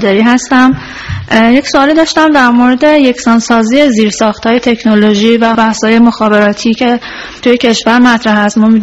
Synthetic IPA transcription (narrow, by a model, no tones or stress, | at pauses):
d̪ɒɾiːɦæst̪æm | je̞csoɒːlid̪ɒːʃt̪æmd̪æɾmoɾe̞d̪e̞je̞csɒːnsɒːziːeziːɾsɒːxt̪hɒːje̞t̪ʰe̞cʰnoloʒiːvæbæhshɒːje̞mo̞xɒːbe̞ɾɒːt̪ʰiːcʰe̞ | t̪uje̞cʰe̞ʃvæɾmæt̪ʰɾæɦæst̪mɒmi